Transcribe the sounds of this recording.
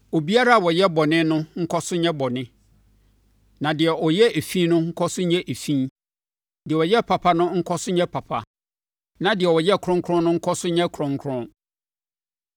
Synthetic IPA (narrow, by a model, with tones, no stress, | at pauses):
o˨bi˦a˦ɾa˦a˨wɔ˨jɛ˦bɔ˨nɪ̃˦nʊ̃˦ŋ̩˦kʰɔ˦sʊ˦ɲɛ̃˦bɔ˨nɪ̃˦ | nã˨dɪ˨ɛ˨ʔɔ˨jɛ˦e˨fĩ˦nʊ̃˦ŋ̩˦kʰɔ˦sʊ˦ɲɛ̃˦ʔe˨fĩ˦ | dɪ˨ɛ˨wɔ˨jɛ˦pʰa˨pʰa˦nʊ̃˦ŋ̩˦kʰɔ˦sʊ˦ɲɛ̃˦pʰa˨pʰa˨ | nã˨dɪ˨ɛ˨wɔ˨jɛ˦˨kʰɾʊ̃˦ŋ˦kʰɾʊ̃˦nʊ̃˦ŋ̩˦kʰɔ˦sʊ˦ɲɛ̃˦kʰɾʊ̃˦ŋkʰɾʊ̃˦n